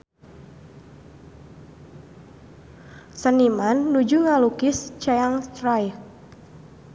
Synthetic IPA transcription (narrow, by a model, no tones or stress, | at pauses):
sənimanːud͡ʒuŋalukɪst͡ʃajaŋst̪ɾaj